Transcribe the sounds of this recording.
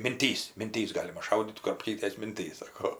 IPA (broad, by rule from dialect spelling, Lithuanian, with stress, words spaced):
mʲɪnʲˈtʲiːs mʲɪnʲˈtʲiːs ˈɡɑːlʲɪmɐ ˈʃɐʊdʲiːt kʊrɐpʲˈkʲiːtʲɛs mʲɪnʲˈtʲiːs ˈsɑːkoː